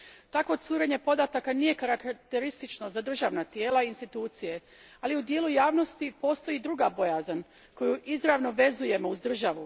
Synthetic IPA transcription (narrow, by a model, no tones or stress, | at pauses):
t̪ako̞t̪suːɾe̞ɲe̞po̞d̪at̪akanije̞kaɾakt̪e̞ɾist̪it͡ʃno̞zad̪r̩ʒaʋnat̪je̞ːlˠainst̪it̪uːt̪sije̞ | aliud̪jelujaːʋno̞st̪ipo̞ːst̪o̞jid̪ɾuɡabo̞jazan | ko̞juʔizɾaʋno̞ʋe̞zuje̞mo̞uzd̪r̩ʒaʋu